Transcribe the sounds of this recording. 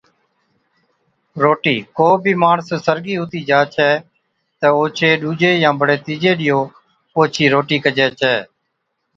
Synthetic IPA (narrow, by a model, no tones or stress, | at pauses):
ɾoːʈiːkoːbʱiːmaːɳssəɾɡiːʊt̪iːd͡ʒaːt͡ʃʰɛː | t̪ɛːoːt͡ʃʰeːɗuːd͡ʒeːjãːbəɽeːt̪iːd͡ʒeːɗɪjoː | poːt͡ʃʰiːɾoːʈiːkəd͡ʒeːt͡ʃʰɛː